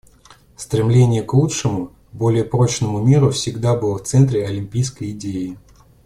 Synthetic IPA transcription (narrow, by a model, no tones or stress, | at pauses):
st̪ɾʲɪmlʲenʲɪjəklˠutʂɨmʊ | bo̞lʲɪjəpɾo̞t͡ɕnəmʊmʲiɾʊfsʲɪɡd̪abɨlˠəft̪sɛnt̪ɾʲɪɐlʲɪmʲpʲijskəjɪdʲejɪ